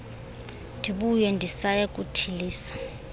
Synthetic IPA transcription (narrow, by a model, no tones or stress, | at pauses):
ndʱiɓujɛndʱisajakʼutʰiliːsḁ